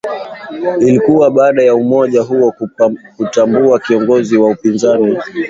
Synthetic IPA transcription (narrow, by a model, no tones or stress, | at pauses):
ilikuwaɓaːɗajaumɔʄaɦuɔkutambuakiɔŋɡɔziwaupinzani